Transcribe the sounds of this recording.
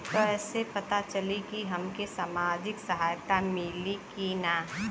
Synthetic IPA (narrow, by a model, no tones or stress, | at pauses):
kəɛːsepɐt̪at͡ʃəlikiɦɐmkesamaːd͡ʒɪksəɦaːjt̪amɪlikinaː